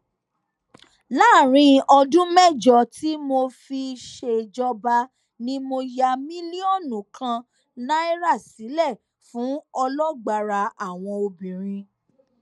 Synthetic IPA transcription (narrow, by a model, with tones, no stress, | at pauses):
la˦˨ɾ̃ĩ˧ʔɔ˧dũ˦mɛ˦˨d͡ʒɔ˨ti˦mo˧fi˧ʃe˧d͡ʒɔ˧ba˧ | nĩ˦mo˧ja˧mĩ˦li˦ɔ˦˨nũ˨kʰã˧ | nã˦i˦ɾa˦˨si˨˦lɛ˦˨ | fũ˨˦ɔ˧lɔ˦ɡ͡ba˧˨ɾa˧a˨w̃ɔ̃˧o˧bĩ˨ɾ̃ĩ˧